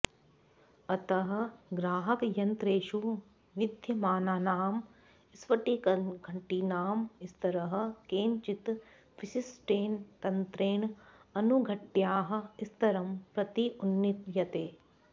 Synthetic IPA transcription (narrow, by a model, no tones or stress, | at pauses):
ɐt̪ɐɦɐ̆ɡɾaːɦɐkjɐnt̪ɾeːʃu | ʋɪd̪ʱjɐmaːnaːnaːm | ɪsʋɐʈikɐɡʱɐɳʈiːnaːmɪst̪ɐɾɐɦɐ̆keːɲt͡ʃit̪ | ʋɪsisʈeːnt̪ɐnt̪ɾeːɳɐnuɡʱɐʈjaːɦɐ̆ist̪ɐɾɐmpɾɐt̪iunːit̪jɐt̪eː